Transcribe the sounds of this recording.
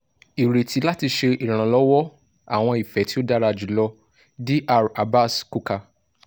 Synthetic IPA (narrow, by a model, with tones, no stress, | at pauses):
i˨ɾe˨ti˨˦la˦ti˧ʃe˧i˨ɾ̃ã˨lɔ˨˦wɔ˦ | a̰˨w̃ɔ̃˧i˨fɛ˨˦ti˦o˦da˦ɾa˧d͡ʒi˨˦lɔ˧ | di˦ʔa˧˨ɾa˨ba˦sku˦ka˧